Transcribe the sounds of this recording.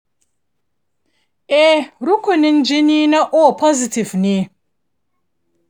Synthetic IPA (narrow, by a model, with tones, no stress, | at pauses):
e˦ɾu˦ku˨ni˦n˦d͡ʒi˦ni˦na˦ʔo˦pʰɔ˦zi˨ti˨vni˦